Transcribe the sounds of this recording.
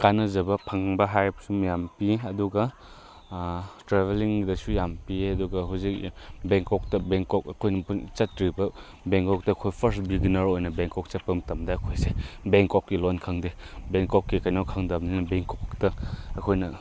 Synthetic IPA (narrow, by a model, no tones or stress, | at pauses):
kanɐzɐbɐpʰɐŋbɐɦajpsumjampiɐduɡɐ | tɾebeliŋdɐsujampiɐduɡɐɦuzikbeŋkɔk̚tɐbeŋkɔk̚ɐkʰojnɐt͡ʃɐtɾibɐ | beŋkɔk̚tɐːkʰojpʰɐɾsbiɡinɐɾojnɐbeŋkɔk̚t͡ʃɐt̚pɐmtɐmdɐɐkʰojsebeŋkɔkːilɔnkʰaŋde | beŋkɔkːikajnawkʰaŋdɐmninɐbeŋkɔktɐɐkʰojnɐ